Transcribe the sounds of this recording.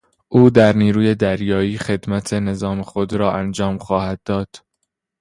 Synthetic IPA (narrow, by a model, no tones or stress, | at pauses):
ʔuːd̪æɾniːɾuːje̞d̪æɾjɒːiːxe̞d̪mæt̪ʰe̞ne̞zɒːmexo̞d̪ɾɒːʔænd͡ʒɒːmxɒːhæd̪̚ːɒːd̪̥